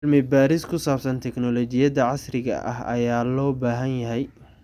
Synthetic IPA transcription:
lmɪbaːɾɪskʰʊsaːbsɐnt̪ʰɛknɔlɔt͡ʃɪjɐðɐʕɑsrɪɣɐ̰ʔɐ̰ɦɐ̰jaːlɔːbaːɦɐnjɐɦɛj

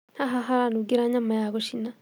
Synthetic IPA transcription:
haɦaɦaɾanuɡeɾaɲamajaɣɔʃina

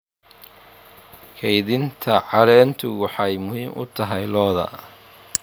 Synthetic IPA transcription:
kʰɛjðɪnt̪ʰɐʕɑɾɛːnt̪ʰʊwɑħɑjmʊɦiːmʔʊ̰t̪ʰɐɦɛjlɔːðɐ̰

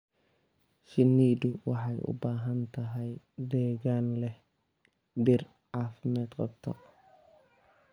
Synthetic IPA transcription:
ʃɪnːiːd̪ʊwɑħɑjʔʊ̰baːɦɐnt̪ʰɐɦɛj | d̪ɛːɣaːnlɛh | bɪr | ʕɑːfɪmɛːd̪qɑbt̪ʰɔ̰

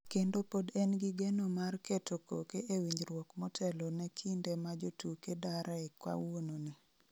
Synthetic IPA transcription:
kendopodɛnɡiɡɛnomarketoko̰keʔewiɲd͡ʒɾwɔkmɔtʰɛlɔnɛkʰindɛmad͡ʒotukedaɾʔaekwa̰wononi

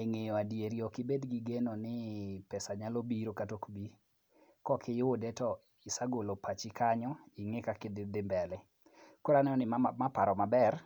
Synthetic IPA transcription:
eŋejɔadjeɾiɔkɪbedɡiɡenonɪpɛsaɲalobiɾokatokbi | kɔkʰɪjwodɛtɔ | ɪsaɡolopat͡ʃɪkaɲɔɪŋɪkakɪdɪdɪmbɛlɛ | koɾanɛnɔnɪmapaɾɔmabɛr

